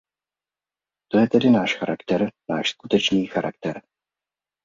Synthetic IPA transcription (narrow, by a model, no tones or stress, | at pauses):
t̪o̞jɛt̪ɛdɪnaːʃxaɾakt̪ɛɾnaːʃskut̪ɛt͡ʃniːxaɾʔa̰kt̪ɛɾ